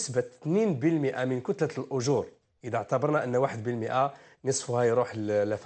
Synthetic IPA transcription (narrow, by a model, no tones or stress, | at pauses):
əsbət̪ːninbəlməʔamənkʊt̪ləlʔʊʒuɾ | ʔəd̪aʕt̪abɑɾˤnaʔənːwaħəd̪bəlməʔa | nəsˤfhæjɾuħəlæf